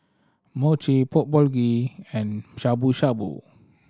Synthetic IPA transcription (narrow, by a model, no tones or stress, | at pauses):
mot͡ʃipɔt̚bɔlɡiɛ̃nʃabuʃabṵ